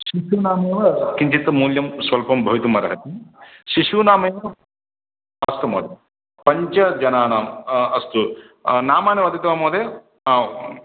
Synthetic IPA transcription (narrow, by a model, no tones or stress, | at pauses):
ʃiʃuːnaːmeːʋɐkiɲt͡ʃit̪ɐmuːljɐmsʋɐlpɐmbʱɐjit̪umɐɾɐ̰ɦɐt̪iʃiʂuːnaːmeːʋɐ | ɐst̪ɐmo̰ːd̪e | pɐɲt͡ʃɐd͡ʒɐnaːnaːmɐst̪u | naːmaːniʋɐd̪ɐt̪ʋaːmoːd̪e | aː